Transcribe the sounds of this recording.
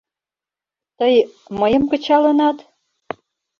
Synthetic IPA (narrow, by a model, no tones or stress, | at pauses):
t̪əjməjə̆mkə̆t͡ɕɑlɤ̆nɑt̪